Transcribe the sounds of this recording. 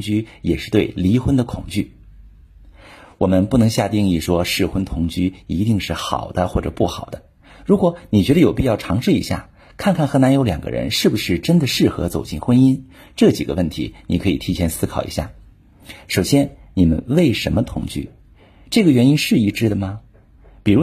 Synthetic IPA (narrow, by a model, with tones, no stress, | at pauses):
ŋt͡ɕy˥jɛ˨˩ʂɻ̩˥˧t̪we˥˩ɪli˧˥xwə˥nd̪ə˨kʰʊ˨˩ŋt͡ɕy̰˥˩ | wɔ˨˩mə˦npu˥˩nɤ˧˥ŋɕja˥˧t̪i˥˧ŋi˥˩ʂwɔ˥ʂɻ̩˥˩xwə˥nt̪ʰʊ˧˥ŋt͡ɕy˥˩i˧˥t̪i˥˧ŋʂɻ̩˥˩xɑ̰˨˩ʊd̪ə˦xwɔ˥˩ʈ͡ʂɤ̰˨˩pu˥˩xɑ˨˩ʊd̪ə˦ | ɻu˧˥kwɔ˧˥˦ni˨˩t͡ɕɥɛ˧˥d̪ə˧jo˨˩ʊpi˥˧jɑ˥˩ʊʈ͡ʂʰɑ˧˥ŋʂɻ̩˥˩ḭ˧˥ɕja̰˥˩ | kʰa˥˧nkʰa˥˩nxɤ˧˥na˧˥njo˧˥ʊljɑ˨˩ŋɡə̰˦ɻə̰˧˥nʂɻ̩˥˩bu˩ʂɻ̩˥˩ʈ͡ʂə˥nd̪ə˨ʂɻ̩˥˩xɤ̰˧˥t͡so˨˩ʊt͡ɕi˥˩nxwə˥ni˥n | ʈ͡ʂɤ˥˩t͡ɕḭ˨˩ɡə̰˦wə˥˩nt̪ʰḭ˧˥ni˨˩kʰɤ˧˥ḭ˨˩t̪ʰi˧˥t͡ɕʰjɛ˧˥nsɹ̩˥kʰɑ˨˩ʊḭ˧˥ɕja̰˥˩ | ʂo˨˩ʊɕjɛ˥nni˨˩mə̰˦nwe˥˩ɪʂə̰˧˥nmə˧t̪ʰʊ̰˨˧˩ŋt͡ɕy̰˥˩ | ʈ͡ʂɤ˥˩ɡə˩ɥɛ˧˥ni˥nʂɻ̩˥˧i˥˩ʈ͡ʂɻ̩˥d̪ə˨mɐ˩ | pi˨˩ɻu˧˥